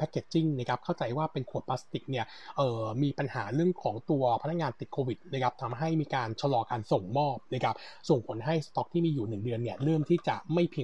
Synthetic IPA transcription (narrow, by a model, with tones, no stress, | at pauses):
pʰɛ˦˥kːe˨˩t̪̚t͡ɕi˥˩ŋna˦˥kʰa˦˥p̚kʰa˥˩wt͡ɕa˧jwaː˥˩pe˧nkʰu˨˩ət̪̚pːla˦˥st̪i˨˩k̚ni˥˩ɐ | ʔɤː˨˩miː˧pa˧nhaː˩˦ɾɯ˥˩əŋkʰɔː˩˦ŋt̪u˧ɐpʰna˥kːŋaː˧nt̪i˨˩t̪̚kʰoː˧wi˨˩t̪̚na˦˥kʰp̚t̪ʰa˧mɦa˥˩jmiː˧kaː˧nt͡ɕʰa˧lɔː˧kaː˧nso˨˩ŋmɔː˥˩p̚na˦˥kʰa˦˥p̚so˨˩ŋpʰo˩˦nɦa˥˩jst̪ɔ˦˥k̚t̪ʰiː˥˩miː˧juː˨˩nɯ˨˩ŋdɯ˧ənːi˥˩ɐɾɤː˥˩mt̪ʰiː˥˩t͡ɕa˨˩ma˥˩jpʰi˧